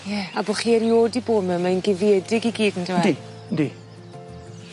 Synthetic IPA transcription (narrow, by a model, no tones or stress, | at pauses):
jɛaboχiːɛɾjoːdiboːdməmainɡɪvjɛdɪɡiɡiːdəndɪwɛi | di